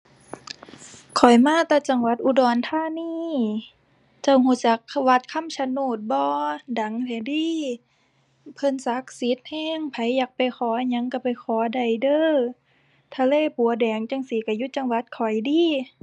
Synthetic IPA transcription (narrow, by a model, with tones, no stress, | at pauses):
kʰɔ˨˩jmaː˧˥˨t̪aː˧t͡ɕa˧˩ŋwa˧˦t̪̚ʔu˧dɔː˨˩nt̪ʰaː˧˥˨niː˧˨ | t͡ɕa˧˩whuː˧˦t͡ɕa˧˦kwa˧˥t̪̚kʰa˧˥˨msʰa˧˨nuː˧˩t̪̚bɔː˧da˨˦ŋt̪ʰɛ˧˩diː˧˥˨ | pʰɤ˧˥˨nsa˧˦k̚si˨˦t̪̚hɛː˧˥˨ŋpʰa˨˦jːaː˨˦k̚pa˨jxʰɔː˨˦˧ɲa˧˥˦ŋka˧˩pa˨˩jxʰɔː˨˦da˨˩jdɤː˧˥˨ | t̪ʰa˧leː˧˨pu˨˦ɐdɛː˨˩ŋt͡ɕa˧ŋsi˨˦ka˧˩ju˧˥t͡ɕa˧ŋwa˧˦t̪̚kʰɔ˨˩jdiː˧˨